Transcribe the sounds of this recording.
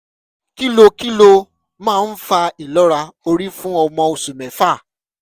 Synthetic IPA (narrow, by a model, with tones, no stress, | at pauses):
ki˦lo˧ki˦lo˧ | mãː˦˨˦n̩˦fa˧i˨lɔ˦ɾa˧o˧ɾi˦fũ˦ɔ˧mɔ̃˧o˨su˨mɛ̃˨fa˦˨